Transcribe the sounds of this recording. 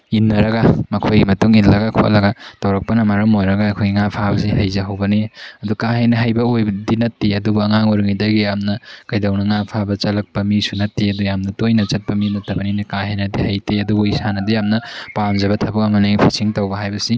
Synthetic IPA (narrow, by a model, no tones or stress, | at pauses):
inːɐɾɐɡamɐkʰojɡimɐtuŋinlɐɡakʰoʔɐ̰lɐɡɐtɐwɾɐk̚pɐnɐmaɾɐmojɾɐɡaɐkʰojɡiŋapʰabɐs̬ihɐjzɐɦɐwbɐniɐdukahejnɐɦɐjbɐojbdinɐtːeɐdubuɐŋaŋuɾuŋidɐɡijamnɐkɐjdawnɐŋapʰabɐt͡ʃɐlɐk̚pɐmisunɐtːeɐdujamnɐtojnɐt͡ʃɐt̚pɐminɐtːɐbɐninɐkaɦejnɐdihɐjteɐdubuisanɐdijamnɐpanzɐβɐtʰɐbɐk̚ɐŋɐnaɡipʰisiŋtɐwbɐɦajbɐsi